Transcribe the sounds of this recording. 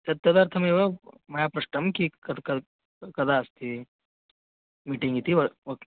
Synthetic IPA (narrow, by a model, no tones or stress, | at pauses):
t̪ɐt̪ːɐd̪ɐɾt̪ʰɐmeʋɐmɐjaːpɾɐʂʈɐmkikɐkɐ | kɐd̪aɐst̪i | miːʈĩŋɡit̪iʋɐɐ